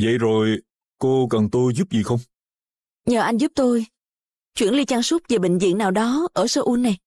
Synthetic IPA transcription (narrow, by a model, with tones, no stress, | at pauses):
və̰˧˨jzo˨˩j | ko˧kə˨˩nt̪o˧jzu˦˥p̚zi˨˩xə˧wŋ͡m | ɲəː˨˩ʔa˧jŋzu˦˥p̚t̪o˧j | t͡ɕwḭ˧˩ənli˧t͡ɕa˧ŋsu˦˥t̚veː˨˩ɓï˧˨ŋ̟zḭ˧˨əŋnaː˨˩wɗɔ˨˦ʔəː˧˩səː˧ʔu˧˦nːa˨˩j